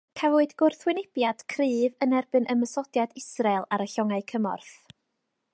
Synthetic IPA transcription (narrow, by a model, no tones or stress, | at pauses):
kʰavʊɨdɡ̥ʊrθwɪnɪb̥jad̥kʰrɨːvənɛrbɨnʔəməsɔdjadɪsralˠaɾəɬɔŋaɨkʰəmɔ̰rθ